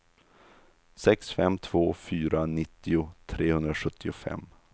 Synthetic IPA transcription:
sɛksfɛmt̪ʰv̥oːfyːɾanɪt̪ːɪʊt̪ʰɾeːhɵnd̪ɾaɧɵt̪ːɪʊfɛ̰mː

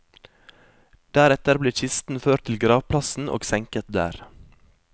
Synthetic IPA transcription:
d̪̥æːɾɛt̪əɾbliːçɪst̪n̩føːʈt̪ʰɪlɡɾɑːʋpʰlɑsn̩ʔo̰ːɡsɛŋkət̪̚d̪æ̰ːɾ

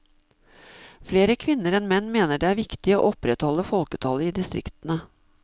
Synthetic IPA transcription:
fleːɾəkʰʋɪnːəɾɛnmɛnːmeːnəɖeːæːɾʋɪkt̪ɪo̰ːʔɔpɾɛt̪hɔlːəfɔlkət̪ʰɑləiːd̪ɪst̪ɾʔɪ̰kt̪ənə

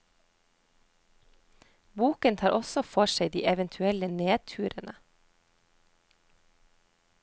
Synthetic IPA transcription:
buːkənt̪ʰɑːɾʔɔsɔfɔʃeɪd̪ḭːʔɛʋənt̪ʰʉɛləneːt̪ʰʉːɾənə

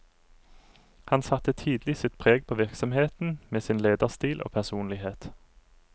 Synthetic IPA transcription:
hɑnsɑt̪ət̪ʰiːd̪lɪsɪt̪pʰʁeːɡ̚pʰoːʋɪʁksɔmheːt̪n̩meːsɪːnleːd̪əʁst̪iːlʔo̰ːpʰæʁsuːnlɪheːt̪

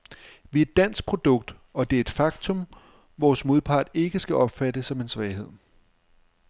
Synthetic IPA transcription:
ʋiæed̥ːæn̰sɡ̥̚pʰʁo̝d̥ɔ̽ɡ̥̚d̥ɒ̽d̥e̝æɐe̝d̥fɑ̈ɡ̥t͡sʰɔ̽m | ʋɒːsmo̝ðˠpʰɑ̈ːd̥e̝ɡ̥əsɡ̥æʔɒ̽b̥fæɾ̥əsɒ̽me̝nsʋɛɪhe̝ð̞̰ˠ

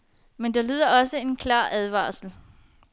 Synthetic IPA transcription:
mend̥elyð̞ˠɐɒ̽səe̝nkʰlɑ̰̈ːʔæð̞ˠʋɑ̰̈ːsl̩

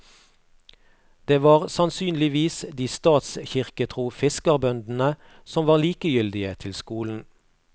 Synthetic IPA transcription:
d̪̥eːʋɑːʁsɑnsyːnlɪʋiːsd̪iːst̪ɑːt̪sçɪʁkət̪ʰʁuːfɪskəʁbœnd̪n̩ə | sɔmʋɑːʁliːkəjʏld̪ɪət̪ʰɪlskuːln̩

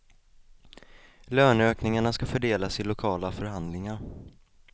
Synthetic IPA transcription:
løːɳøːknɪŋaɳaskafœɖeːlasɪlʊkʰɑːlafœɾɦand̪lɪŋaɾ

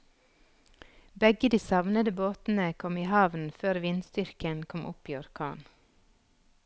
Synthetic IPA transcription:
bɛɡəd̪iːsɑʋnəd̪əboːt̪n̩əkʰɔmiːhɑʋn̩føːɾʋɪnst̪ʏɾkənkʰɔmʔʊ̰piːɔɾkʰɑ̰ːn

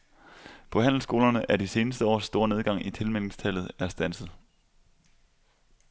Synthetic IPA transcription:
pʰɒ̽hæn̰l̩sɡ̥o̝ːlɐnəʔæɐdise̝ːnəsd̥əɒ̰ːsːd̥o̝ːɐ̰ne̝ð̞ˠɡ̥ɑ̈ŋ̰it͡sʰe̝lmel̰ŋst͡sʰæl̰ð̞̩ˠæɐsd̥æn̰sð̩ˠ

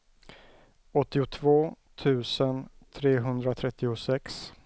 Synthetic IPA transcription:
ɔt̪ːɪʊt̪ʰvoː | t̪ʰʉ̟ːsən | t̪ʰɾeːɦɵnd̪ɾat̪ʰɾɛt̪ːɪʊsɛks

